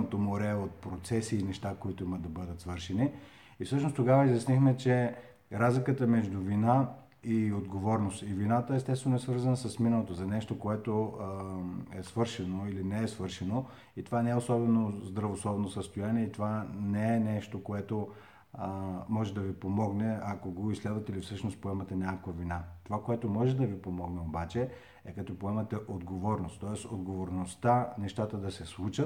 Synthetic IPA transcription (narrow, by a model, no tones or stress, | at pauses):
ot̪omoɾɛot̪̚pɾot̪sɛsiːnɛʃt̪akoit̪oimɐd̪ɐbɤd̪ət̪svɤɾʃɛni | ifsɤʃnost̪oɡavəizjɐsnixmɛt͡ʃɛ | ɾazlikət̪əmɛʒd̪ʊvina | iod̪ɡovɔɾnost̪ivinat̪əɛst̪ɛst̪vɛnʊɛsvɤɾzənəsɐsminəlˠot̪ozɐnɛʃt̪okoɛt̪o | ɛsvɤɾʃɛnoilinɛɛsvɤɾʃɛno | it̪ovanɛɛosɔbɛnozd̪ɾɐvosˠɔbnosəst̪ojaniɛit̪ovanɛɛnɛʃt̪okoɛt̪o | mɔʒɛd̪ɐvipomɔɡnɛakoɡoislɛd̪vɐt̪ɛilifsɤʃnos̚poɛmɐt̪ɛnʲakkvɐvinat̪ovakoɛt̪omɔʒɛd̪ɐvipomɔɡnɛobat͡ʃɛ | ɛkɐt̪ɔpoɛmɐt̪ɛʔod̪ɡovɔɾnost̪ːɔɛst̪od̪ɡovoɾnost̪anɛʃt̪at̪əd̪ɐsɛslˠut͡ʃət̪̚